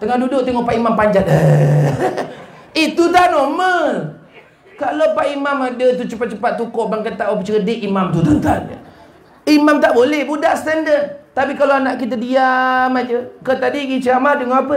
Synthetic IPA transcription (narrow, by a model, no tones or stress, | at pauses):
t̪əŋahdudʊʔt̪ɛŋɔʔpaʔimampaɲd͡ʒat̪̚ə | it̪ut̪anɔməl | kalopaʔimamadət̪̬ut͡ʃəpat̪̚t͡ʃəpat̪ːukɔʔbaŋkat̪aʔopət͡ʃəɾədeʔimamt̪ut̪ət̪an | imamt̪aʔbolɛhbudaʔst̪ɛndəd̪̚t̪apikaloanaʔkit̪̬ədiamad͡ʒəkət̪adiɡit͡ʃəamadəŋaapə